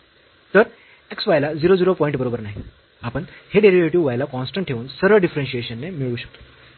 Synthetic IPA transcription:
t̪əɾ | eksʋajlad͡ziɾod͡ziɾopɔĩɳʈ̚bəɾobəɾnaɦi | apəɳheɖeɾiʋjuʈiʋʋajlakɔnsʈəɳʈʰeʋuːnsəɾəɭɖifɾenɕieɕənːemiɭuːɕə̥k̚t̪o̥

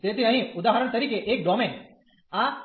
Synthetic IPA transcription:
t̪et̪iɐɦĩʊd̪aːɦɾəɽ̃t̪ɐɾiːkeʔeːk̚ɖɔːmẽːn | a

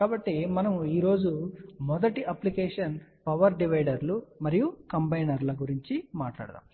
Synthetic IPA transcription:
kaːbɐʈːimɐnɐmiːɾo̞ːd͡ʒumɔd̪ɐʈiʔɐplikɛːʂɐnpɐʋɐɾɖiʋɐjɖɐɾlumɐɾijukɐmbɐjnɐɾlɐɡuɾiɲt͡ʃimaːʈla̰ːɽɐt̪a̰ːm

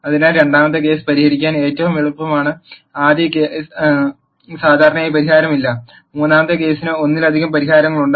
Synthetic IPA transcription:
ɐðinaɾe̞ɳɖaːmɐt̪ːɨke̞ːsɨ̥pɐɾihɐɾikʲːaːne̞ːtːɐʋumiɭupːɐmaːɳɨaːd̪jɐke | saːd̪ʱaːɾɐɳɐaːjpɐɾiɦaːɾɐmilːɐ | muːnːaːmɐt̪ːɨke̞ːsinɨo̞nːilɐd̪ʱiɣɐmpɐɾiɦaːɾɐŋːɐɭuɳɖ

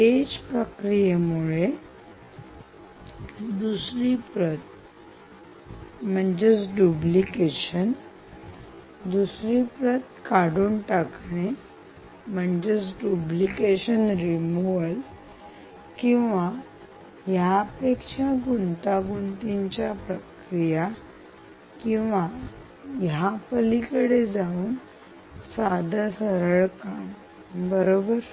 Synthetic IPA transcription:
ed͡ʑpɾəkɾijəmuɭe | d̪usɾipɾət̪̚ | m̤əɳd͡ʑet͡sɖublikeɕən | d̪usɾipɾət̪kaɽuːnʈakɳe | m̤əɳd͡ʑet͡sɖublikeɕənɾimuʋəl | kĩw̃ʋa | japekʂaɡunt̪aɡunt̪iɲt͡ɕjapɾəkɾija | kĩw̃ʋa | japəlikəɽed͡zauːn | sad̪ʱasəɾəɭkaɳ | bəɾobəɾ

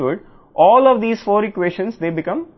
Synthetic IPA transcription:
ʋəɖ | ʔɔːlɔːʋd̪iːzfoːɾɪkʋeːʃə̃nsd̪eːbɪkʌ̃m

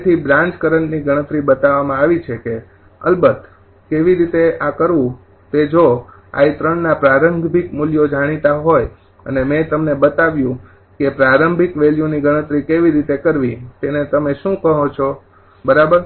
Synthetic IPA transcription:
t̪ʰibɾãɲt͡ʃkəɾəɳniɡəɽ̃ət̪ɾibət̪aʋamãaʋit͡ʃʰeke | ə̰lbət̪ | keʋiɾit̪eakəɾʋũ | t̪ed͡ʒo | a̰it̪ɾəɳnapɾaɾəŋɡbʱikmuljod͡ʒaɽ̃it̪aɦoj | ə̰nemẽt̪əmnebət̪aʋjũ | kepɾaɾəmbʱikʋeljũniɡəɽ̃ət̪ɾikeʋiɾit̪ekəɾʋit̪enet̪əmeʃũkəɦõt͡ʃʰo | bəɾabəɾ

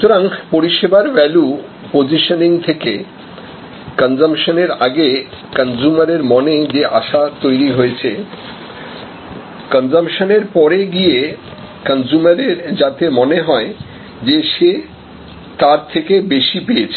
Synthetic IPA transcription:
ut̪oɾaŋpoɾiʃebaɾbɛlu | pod͡ʑiʃoniŋt̪ʰeke | kənd͡ʑamʃoneɾaɡe | kand͡ʑumaɾeɾmɔned͡ʑeʔaʃat̪ojɾiɦojet͡ɕʰe | kənd͡ʑamʃoneɾpɔɾeɡije | kand͡ʑumaɾeɾd͡ʑat̪emoneɦɔe | d͡ʑeʃe | t̪aɾt̪ʰekebeʃipejet͡ɕʰe

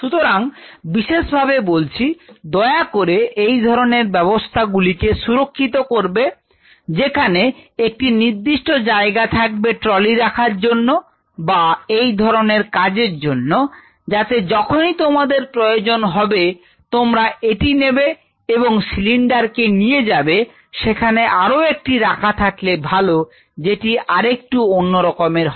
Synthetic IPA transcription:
ʃut̪oɾaŋbiʃeʃbʱabebolt͡ɕʰid̪ɔeakoɾeʔejd̪ʱɔɾoneɾbɛbost̪ʰaɡulikeʃuɾokʰːit̪okoɾbe | d͡ʑekʰaneek̚ʈiniɾd̪iʃʈod͡ʑaeɡat̪ʰak̚beʈɾɔliɾakʰaɾd͡ʑonːo | baejd̪ʱɔɾoneɾkad͡ʑeɾd͡ʑonːo | d͡ʑat̪ed͡ʑɔkʰonit̪omad̪eɾpɾojod͡ʑonɦɔbe | t̪omɾaʔeʈinebe | eboŋsiliɳɖaɾkenijed͡ʑabe | ʃekʰaneʔaɾoek̚ʈiɾakʰat̪ʰaklebʱalo | d͡ʑeʈiaɾek̚ʈuonːoɾɔkomeɾɦ

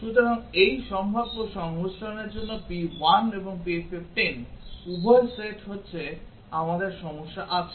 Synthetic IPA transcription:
ʃut̪oɾaŋejʃɔmbʱabːoʃɔŋɦosɾaneɾd͡ʑonːopiwaneboŋpiefefʈenubʱojseʈɦotːɕʰe | amad̪eɾʃɔmoʃːaʔat͡ɕʰe̥

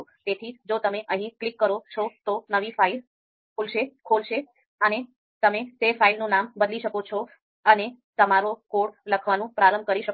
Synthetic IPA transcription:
t̪et̪ʰid͡ʒot̪əmeʔəɦĩklikːəɾot͡ʃʰot̪onəʋifail | kʰolʃekʰolʃe | əne | t̪əmet̪efʰailnũnambəd̪liʃəkot͡ʃʰo | ənet̪əmaɾokoɽləkʰʋanũpɾaɾəmb̚ʱkəɾiʃə

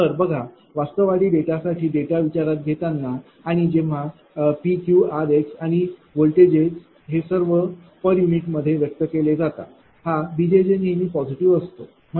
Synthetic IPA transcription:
t̪əɾbəɡʱa | ʋast̪əʋaɽiːɖeʈasaʈʰiːɖeʈaʋit͡ɕaɾat̪̚ɡʱet̪anːaː | ɽ̃id͡ʑeʋ̤a | pikjuaɾeksaɽ̃iʋolʈed͡ʑet͡s | ɦesəɾʋə | pəɾjuniʈməd̪ʱːjeʋjək̚t̪əkeled͡zat̪a̰ | habid͡ʑed͡ʑenɦemiːpɔd͡ʑiʈiʋəst̪o | mə

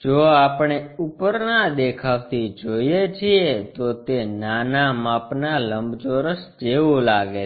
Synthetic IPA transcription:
d͡ʒoapɳ̃eupəɾnad̪ekʰaʋt̪id͡ʒoiet͡ʃʰiet̪ot̪enanamapnaləmbt͡ʃoɾəsd͡ʒeʋolaɡe

